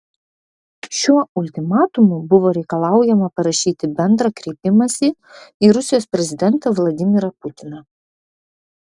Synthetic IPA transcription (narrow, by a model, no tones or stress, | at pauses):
ʃʲuɔʊlʲt̪ʲɪmɑːt̪ʊmuːbʊʋoːɾʲɛɪkɐlˠɑˑʊjɛmɐpɐɾɐʃʲiːt̪ʲɪbʲɛnd̪ɾɐkɾʲɛɪpʲɪmɐsʲiː | iɾʊsʲɪjoːspʲɾʲɛzʲɪd̪ʲɛnt̪ɐʋlˠɐd̪ʲɪmʲɪɾɐpʊt̪ʲɪnɐ